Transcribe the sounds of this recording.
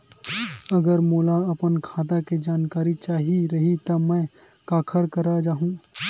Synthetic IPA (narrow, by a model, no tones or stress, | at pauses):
əɡəɾmoːlaɐpənkʰaːt̪aked͡ʒaːnkaːɾit͡ʃaːɦiɾəɦit̪ɐmə̃ | kaːkʰəɾkəɾad͡ʒaːɦũː